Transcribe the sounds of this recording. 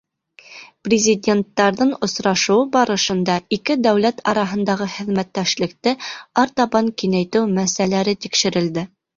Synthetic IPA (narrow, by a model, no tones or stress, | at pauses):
prʲɪzʲidʲe̞nt̪ːɑɾðɤɴŏsɾɑʃɤ̆wɤbɑɾɤ̆ʃɤ̆nd̪ɑikɘd̪æwlæt̪ʰɑ̰ɾɑɦɤ̆nd̪ɑʁɤχɘ̆ðmæt̪ːæʃlɘ̆k̚t̪ɘɑɾt̪ɑbɑŋkinæjt̪ɘwmæsælæɾɘt̪ikʃɘ̆ɾɘ̆ld̪ɘ